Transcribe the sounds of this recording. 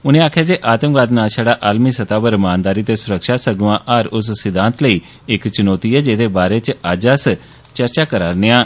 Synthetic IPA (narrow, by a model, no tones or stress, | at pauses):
ʊnẽːaːkʰjaːd͡ʒeːʔaːt̪əmɡaːd̪naːsʰaːɽaːʔaːlmiːsət̪aːbəɾmaːnd̪aːɾiːt̪eːsʊɾəkʃaːsəɡʊʋãːʔaːɾʊs̬sɪd̪ãːnt̪ləiː | ɪkt͡ʃʊnɔːt̪iːɛːd͡ʒeːd̪eːbaːɾeːt͡ʃaːd͡ʒaːs | t͡ʃəɾt͡ʃaːkəɾaːɾneːãː